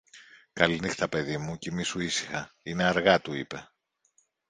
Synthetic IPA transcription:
kɐlinixt̪ɐpe̞ðimucimisuisi̥xɐineɐɾɣɐt̪uipe̞

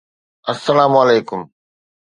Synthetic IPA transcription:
ɐsːɐlaːmɐleːkʊm

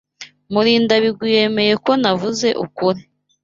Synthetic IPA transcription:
muɾiːndaβiɡwije̞me̞je̞ko̞navuze̞ʔukuɾi

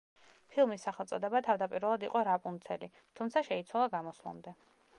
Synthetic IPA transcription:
pʰilˠmisːaχɛlˠt̪sʼɔd̪ɛbat̪ʰavd̪apʼiɾɛlˠad̪iqʼɔɾapʼunt̪sʰɛli | t̪ʰumt̪sʰaʃɛit̪sʰwalˠaɡamɔslˠa̰md̪ɛ

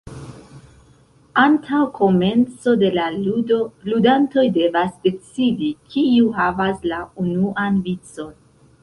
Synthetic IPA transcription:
antʰawkʰo̞me̞nt͡so̞de̞laludo̞ludanto̞jde̞vasde̞t͡sidikʰiuɦavaslaunuʔanvit͡so̞n

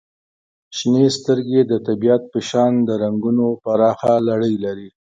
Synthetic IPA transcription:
ʃnest̪əɾɡed̪ət̪abijat̪̚pəʃɑnd̪əɾaŋɡunopaɾɑxalaɽəjlaɾi

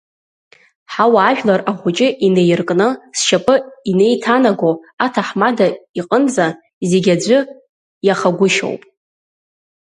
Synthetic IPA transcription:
ħawaːʒᶣlaraχʷʊt͡ʃʼɪʔine̞jrkʼnɨsʃapʼɨine̞jtʰanaɡoatʰaħmadaiqʼənd͡za | zeɡʲad͡ʒʷʊ | jaχaɡʷʊʃo̰wpʼ

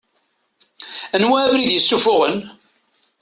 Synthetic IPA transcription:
ænwæːvɾiðjəsːufʊʁən

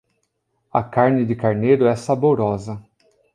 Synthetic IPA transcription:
ɐ̰kaɾnɪd͡ʒɪkaɾneɾʊɛsaboɾɔzɐ

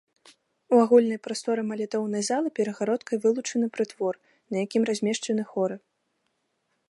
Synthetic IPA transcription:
uaɣulʲnɐjpɾast̪ɔɾɨmɐlʲɛt̪ɔwnɐjzalˠɨpʲɛɾɐɣaɾɔt̪kɐjvɨlˠut͡ʂɐnɨpɾɨt̪vɔr | nɐjakʲimɾazʲmʲɛʂt͡ʂɐnɨxɔɾɨ

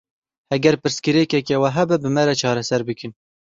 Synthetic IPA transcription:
hɛɡɛɾpɨɾskɨɾekɛkewɛɦɛbɛbɨmɛɾɛt͡ʃʰɑːɾɛsɛɾbɨkɨn

